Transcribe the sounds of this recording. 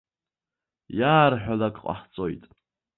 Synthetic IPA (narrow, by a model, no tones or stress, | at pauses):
jaːrħᶣalakʼqʼa̰ħt͡sʼo̞jtʼ